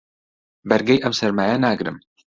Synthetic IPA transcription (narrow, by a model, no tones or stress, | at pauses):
bɛɾɡɛjʔɛwsɛɾmaːjɛnaːɡɾɨ̰m